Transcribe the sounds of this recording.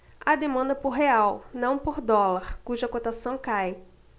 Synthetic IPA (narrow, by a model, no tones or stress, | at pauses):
ad̪emɐ̃nd̪ɐpoɾɦeawnɐ̃w̃poɾd̪ɔlaɾkuʒɐkot̪asɐ̃w̃kaj